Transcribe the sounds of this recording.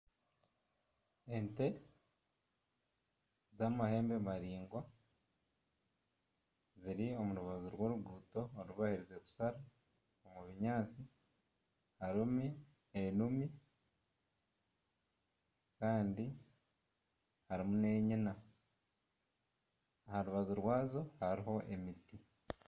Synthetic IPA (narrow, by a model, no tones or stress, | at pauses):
ente̞ | zamahe̞ːmbeβaɾiːŋɡwa | ziɾiomuɾuβaziɾwo̞ːɾuɡuːto̞ːɾuβahiɾize̞ku̥saɾa | omuβiɲaːt͡si | haɾimu | enumi | kaːndi | haɾimune̞ːɲina | ahaɾuβazuɾwaːzo̞haɾiɦo̞ʔe̞miti